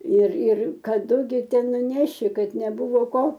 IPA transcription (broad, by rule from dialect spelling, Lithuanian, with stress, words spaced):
ɪr ɪr kɐˈdʊ ɡʲɪ ˈtʲɛn nʊˈnʲæːʃʲɪ ˈkɐt nʲɛˈbʊʋoː ˈkoː